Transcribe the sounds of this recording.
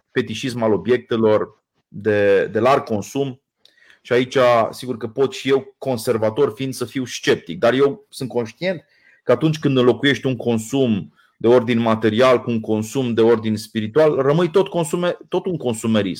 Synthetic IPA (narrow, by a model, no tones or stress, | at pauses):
fe̞t̪it͡ʃismalo̞bje̞k̚t̪e̞lo̞r | d̪e̞d̪e̞larɡko̞nsum | ʃiait͡ʃʲasiɡurkəpo̞t̪ʃije̞wko̞nse̞rvat̪o̞rfind̪səfiwst͡ʃe̞p̚t̪ik̚d̪arje̞wsɨnt̪̚ko̞nʃt̪ie̞nt̪̚ | kəat̪unt͡ʃʲkɨnd̪ɨnlo̞kuje̞ʃt̪ʲuŋko̞nsum | d̪e̞o̞rd̪inʲmat̪e̞ɾialkuːŋko̞nsumd̪e̞o̞rd̪inʲspiɾit̪ualrəmɨjt̪o̞t̪̚ko̞nsumet̪o̞t̪uŋko̞nsumeɾḭsm